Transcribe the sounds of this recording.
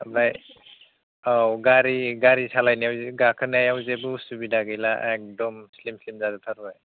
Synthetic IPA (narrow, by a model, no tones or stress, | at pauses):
baj | awɡaɾiɡaɾisalajniawzɡakʰɯnajawzebusubidaɡelaʔek̚dɔmslimslimzadɯpʰaɾɔaj